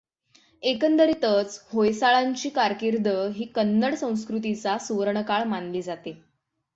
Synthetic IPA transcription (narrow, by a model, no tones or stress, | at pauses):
ekənd̪əɾit̪ət͡shojsaɭaɲt͡ɕiːkaɾkiɾd̪əɦiːkənːəɽsə̃w̃s̬kɾut̪̬it͡sasuʋɾɳəkaɭmanliːd͡zat̪e